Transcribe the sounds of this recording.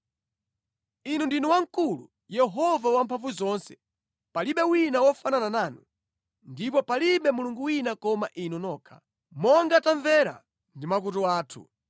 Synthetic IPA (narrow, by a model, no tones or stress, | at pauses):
inundinuwaŋkulṵ | jɛɦɔvawampʰaɱvuzɔːnsɛ̥ | paliɓɛwinawɔfanananaːnu | ndipɔpaliɓɛmuluŋɡuwinakɔmaʔinɔnɔːkʰḁ | mɔŋɡataɱvɛɾa̰ | ndimak̬utuaːtʰṵ